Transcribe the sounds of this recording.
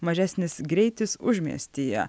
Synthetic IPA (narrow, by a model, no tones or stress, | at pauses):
mɐʒʲæsʲnʲɪsɡɾʲɛɪt̪ʲɪsʊʒʲmʲḭɛ̰sʲt̪ʲiːjɛ̰